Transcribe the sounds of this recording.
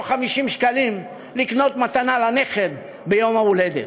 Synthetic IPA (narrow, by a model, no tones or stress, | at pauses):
χamiʃimʃkalim | likno̞t̪mat̪analane̞χe̞d | bejo̞mauled̪ḛ